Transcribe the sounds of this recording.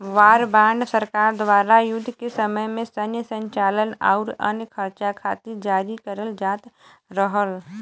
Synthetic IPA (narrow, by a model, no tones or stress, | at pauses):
ʋaːɾbãːɳɖsəɾkaːɾd̪waːɾajʊd̪ʱːkesəməjmẽsənjəsə̃ɲt͡ʃaːləna̰ʊɾə̰nkʰəɾt͡ʃakʰaːt̪id͡ʒaːɾikəɾəld͡ʒaːt̪ | ɾəɦəl